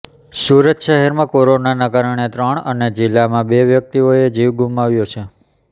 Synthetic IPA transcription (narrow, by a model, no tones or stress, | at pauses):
suɾət̪ʃeɦɛɾmãkoɾonanakaɾəɳ̃et̪ɾəɳ̃əned͡ʒɪlːamãbeʋjək̚t̪ioed͡ʒiʋɡumaʋjot͡ʃʰe